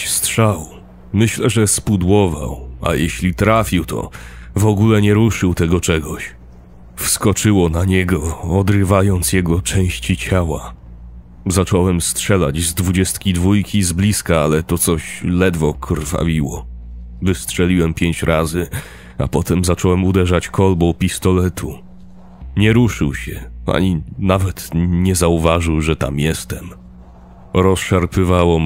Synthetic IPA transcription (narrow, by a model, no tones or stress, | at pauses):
stʂaw | mɘɕlɛʐɛspud̪wɔva̰wa̰jɛɕlʲit̪ɾafʲiwt̪ʰɔ̰vɔɡulɛɲɛɾuʂɘwt̪ɛɡɔt͡ʂɛɡɔɕ | fskɔt͡ʂɘwɔnaɲɛɡɔːd̪ɾɘvajɔnt̪sjɛɡɔt͡ʂɛ̃w̃ɕt͡ɕit͡ɕawa | zat͡ʂɔwɛmstʂɛla̰d͡ʑzd̪vud͡ʑɛst̪kʲid̪vujkʲizblʲiskaalɛt̪ɔt̪sɔɕlɛd̪vɔkʰrfa̰vʲiwɔvɘstʂɛlʲiwɛmpʲjeɲt͡ɕɾʔazɘ | a̰pɔt̪ɛmzat͡ʂɔwɛmud̪ɛʐat͡ɕkʰɔlbɔwpʲist̪ɔlɛt̪ʰu | ɲɛɾuʂɘ̰wɕɛa̰ɲinavɛt̪ɲɛzauvaʐɘwʐɛt̪a̰mjɛst̪ɛm | ɾɔsʂaɾpɘvawɔ